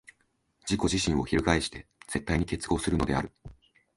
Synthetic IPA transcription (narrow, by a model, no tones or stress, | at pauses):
d͡ʑiko̞ʑiɕĩɰ̃o̞çiɾɯ̟kaeɕi̥t̪e̞z̥e̞t̪ːaiɲ̟ike̞t͡sɨ̥ɡo̞ːsɨɾɯ̟no̞d̪e̞aɾɯ̟